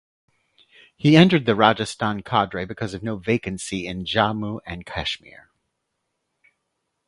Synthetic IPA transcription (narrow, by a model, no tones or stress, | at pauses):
hiɛ̃ntə˞d̪̚ðɨɹɑd͡ʒɨstɑ̃nkʰɑdɹeɪbɨkʰʌzʌvnoʊveɪkɨ̃nsiɪ̃nd͡ʒɑmuʔɨ̃nkʰæ̰ʃmɪ̰ɹ